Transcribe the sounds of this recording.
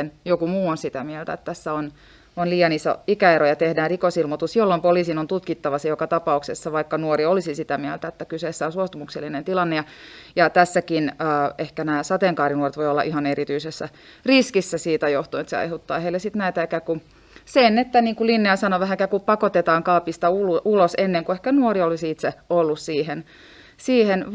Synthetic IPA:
enjokumuːonsit̪æmielt̪æ̰et̪t̪æsːæon | onliːjɑniːso̰ikæeɾojɑt̪ehdæːrrikosilmot̪usjolːompoliːsinont̪ut̪kit̪ːɑʋɑsejokɑt̪ɑpɑuksesːɑʋɑikːɑnuoriolisisit̪æmiɛlt̪æet̪ːækyseːsːæonsuost̪umukselːinent̪ilɑnːejɑ | jɑt̪æsːækinəːehkænæːsɑt̪eŋkɑːrinuoret̪ʋoijolːɑ̰ʔihɑneɾit̪yisesːæ̰ | riskisːæsiːt̪æjoht̪uinet̪sḛɑ̰jhut̪ːɑ̰ːheilːˑesit̪næit̪æekæku | senːet̪ːæniːŋkulinːejɑsɑnoʋæɦækækupɑkot̪et̪ɑːŋkɑːpist̪ɑululosenːeŋkuehkænuoriolisiit̪seolːussiːhen | siːhen

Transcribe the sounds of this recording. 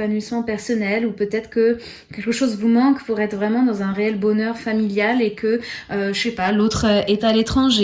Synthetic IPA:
anɥismɑ̃pɛʁsɔnɛlupøt̪ɛt̪χkə | kʲɛlkəʃozvumɑ̃kpuʁɛt̪χvʁɛmɑ̃d̪ɑ̃zɛ̃ʁeɛlbɔnœʁfamiljalekʰəøəʃɛpalot̪χøet̪alet̪χɑ̃ʒe

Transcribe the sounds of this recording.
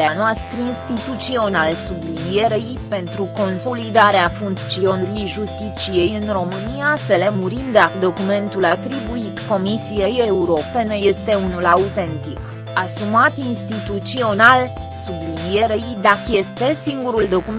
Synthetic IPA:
eanoast̪ɾəinst̪it̪ut̪sio̞nalsublinije̞ɾejpe̞nt̪ɾuko̞nso̞lid̪aɾeafunt̪t͡ʃio̞nɾijʒust̪it͡ʃije̞jɨnro̞mɨnijaselemuɾind̪akəd̪o̞kume̞nt̪ulat̪ɾibuit̪ko̞misijejeuɾo̞pe̞nəje̞st̪e̞unulaut̪e̞nt̪ik | asumat̪inst̪it̪ut̪sio̞nal | sublinije̞ɾejd̪akəje̞st̪e̞siŋɡuɾuld̪o̞kum

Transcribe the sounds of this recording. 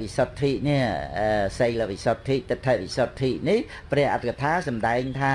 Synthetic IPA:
ʋisot̪ʰːiːʔ̚niəəsəjləʋisot̪ʰːiːʔ̚t̪ɨt̪ʰːəʔ̚ʋisot̪ʰːiːʔ̚nih | prɛ̆əhʔat̪̚ʰːkət̪ʰaːsɑmɗaɛŋt̪ʰaː

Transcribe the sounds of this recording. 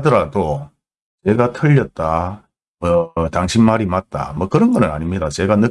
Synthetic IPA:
dʌɾado | t͡ɕe̞ɡatʰɯʎːʌt̚t͈a | mʌtaŋɕʰimmaɾimat̚t͈a̰mʌkɯɾʌnɡʌnɯna̰ɲimɲidat͡ɕe̞ɡanɯ

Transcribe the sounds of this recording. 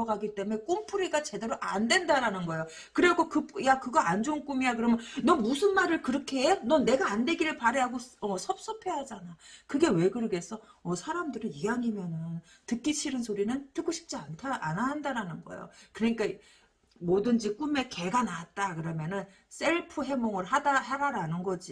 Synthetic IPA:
ʌɡaɡit͈e̞mune̞k͈ompʰuɾiɡat͡ɕe̞de̞ɾoʔandwe̞ndaɾanɯnɡʌejo | kɯɾeɡokɯpjakɯɡaand͡ʑoŋk͈umijak̬ɯɾʌmjʌnnʌmusʰɯnmaɾɯɭkɯɾʌkʰenʌne̞ɡaːnde̞ɡiɾɯɭpaɾeɦaɡoʌsʰʌp̚s͈ʌpʰe̞ɦad͡ʑanakɯɡe̞we̞ɡɯɾʌɡe̞sʰʌʌsʰaɾamdɯɾɯniɦaŋimjʌnɯn | tɯk͈it͡ɕʰiɾɯnsʰoɾinɯntɯkoɕʰi̥p̚t͡ɕ͈iantʰaʔanaɦandaɾanɯnɡʌ̰ḛjo̰kɯɾʌɲik͈a | modɯnd͡ʑik͈ume̞ke̞ɡanaat̚t͈akɯɾʌmjʌnɯn | s͈e̞ɭpʰɯɦe̞moŋɯɭɦadahaɾaɾanɯnɡʌd͡ʑi

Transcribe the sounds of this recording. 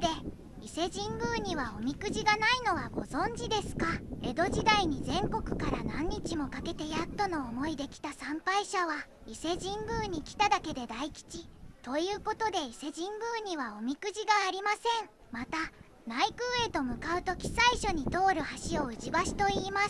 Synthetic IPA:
d̪e̞ | ise̞ʑĩŋɡɯ̟ːɲ̟iβao̞mʲikɯ̟ʑiɡanaino̞βaɡo̞̰zõ̞ɲ̟d͡ʑid̪e̞sɨ̥kae̞d̪o̞ʑid̪aiɲ̟izẽ̞ŋko̞kɯ̟̥kaɾanãɲ̟ːit͡ɕimo̞kake̞t̪e̞jat̪ːo̞no̞ːmo̞id̪e̞kʲi̥t̪asãmpaiɕaβ̞a | ise̞ʑĩmɡɯ̟ːɲ̟ikʲi̥t̪ad̪ake̞d̪e̞d̪aikʲi̥t͡ɕit̪o̞jɯ̟ːko̞t̪o̞d̪e̞ise̞ʑĩŋɡɯ̟ːɲ̟iβao̞mʲikɯ̟ʑiɡaːɾʲimasẽ̞ŋ | mat̪a | naikɯ̟ːe̞t̪o̞mɯ̟kaɯ̟t̪o̞kʲi̥saiɕo̞ɲ̟it̪o̞ːɾɯ̟haɕio̞ɯ̟t͡ɕibaɕi̥t̪o̞iːma

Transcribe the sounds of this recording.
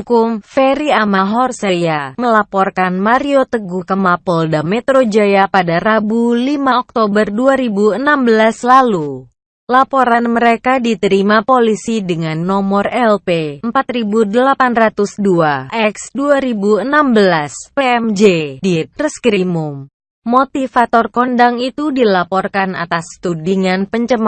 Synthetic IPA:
ukʊmfeɾiamaɦɔrsejaməlapɔrkanmaɾiot̪əɡuhkəmapɔldamɛt̪ɾod͡ʒajapadarabulimaɔk̚t̪obərduaɾibuənambəlaslalu | lapoɾanməɾekadit̪əɾimapolisidəŋanːɔmɔrɛlpeəmpat̪ɾibudəlapanrat̪usduaʔɛksduaɾibuənambəlaspeɛmd͡ʒedip̪̚rəskɾimum | mot̪ifat̪ɔrkɔndaŋit̪udilapɔrkana̰t̪ast̪udiŋanpəɲt͡ʃəm

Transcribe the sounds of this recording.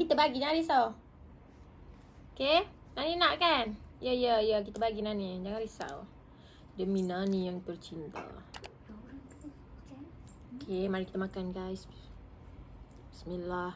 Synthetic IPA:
kit̪əbaɡid͡ʒaŋaɾisaw | oke | naninaʔkanjəjəjək̬it̪əbaɡinanid͡ʒaŋaɾisa̰w | dəminanijaŋt̪ərt͡ʃint̪a̰ | okʰemaɾiki̥t̪əmakanɡajs | ismilah

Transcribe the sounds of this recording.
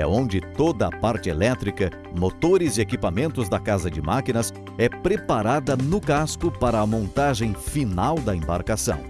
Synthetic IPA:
ɛ̰õnd͡ʒɪtt̪od̪ɐɐpaɾt͡ʃɪelɛt̪ɾikɐ | mot̪oɾɪzɪekipamẽnt̪ʊzd̪ɐkazɐd͡ʒɪmakinɐs | ɛpɾepaɾad̪ɐnʊkaskʊpaɾɐːmõnt̪aʒẽj̃finawd̪ɐẽmba̰ɾkasɐ̰̃w̃

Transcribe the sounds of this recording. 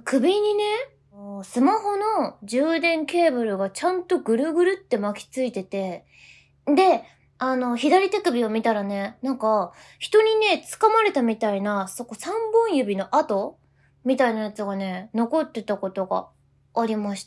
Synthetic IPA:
kɯ̟bʲiɲ̟ine̞ | sɨmaɦo̞no̞d͡ʑɨːd̪ẽ̞ŋke̞ːbɯ̟ɾɯ̟ɡat͡ɕãnt̪o̞ɡɯ̟ɾɯ̟ɡɯ̟ɾɯ̟t̪ːe̞makʲi̥t͡sɨit̪e̞t̪e̞ | d̪e̞ | ano̞çid̪aɾʲit̪ekɯ̟bʲio̞mʲit̪aɾane̞nãŋka | çi̥t̪o̞ɲ̟ine̞t͡sɨ̥kamaɾe̞t̪amʲit̪ainaso̞ko̞sãmbõɰ̃jɯ̟bʲino̞ʔat̪o̞ | mʲit̪ainajat͡sɨɡane̞no̞ko̞t̪ːe̞t̪ako̞t̪o̞ɡa̰ː | ɾʲimaɕi̥t̪ḁ

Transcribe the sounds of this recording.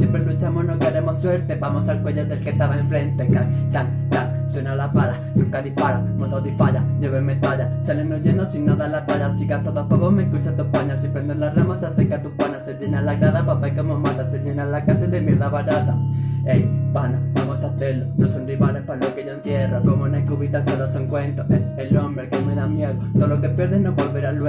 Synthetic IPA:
sjempɾelut͡ʃamonokaɾemosːweɾt̪ebamosalkweʎeðelkest̪aβaẽɱfɾent̪ekat̪aŋ | t̪a | swenalapaɾa | nokaðihpaɾamoðawðifaʎaɲoβemet̪aʎasalenoʝend̪osinːaðalat̪aʎasikat̪oðoapaβomekut͡ʃat̪upaɲasempɾend̪onlaramasaθekat̪upanaseʎenalaɣɾaðapapaikomomat̪aseʎenalakaseðemjeɾðaβaɾat̪aejpanaβamosaθeɾlonosonriβalehpalokeʝoenθje̞rokomonaekuβit̪asaðasoŋkwe̞nt̪oʔeselombɾekemeðamjeðot̪oðolokepje̞ɾðehnoβolβeɾal

